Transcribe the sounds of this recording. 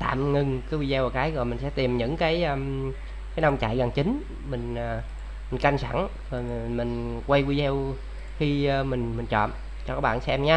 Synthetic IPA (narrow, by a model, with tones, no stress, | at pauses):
t̪a̰ː˧˨mŋɨ˨˩ŋkaː˨˦wi˧zɛ˧waː˨˩kaː˨˦jɣɔ˨˩jmï˨˩ŋ̟sɛ̰˧˥t̪i˨˩əmɲɨ̰˧˥ŋkaː˨˦jʔə˧˩ | kaː˨˦jna˧wŋ͡mt͡ɕa̰˧˨jɣa˨˩ŋt͡ɕï˨˦n | mï˨˩ŋ̟ː˨˩ | mi˨˩ŋ̟ka˧ŋsa˧˩ŋ | zɔ˨˩˨mï˨˩ŋ̟kwe˧jkwi˧zɛ˧w | xi˧mï˨˩ŋ̟mï˨˩ŋ̟t͡ɕɔ̰˧˨m | t͡ɕɔ˧kɔː˨˦˥ɓa̰ː˧˨nsɛ˧mɲaː˧˦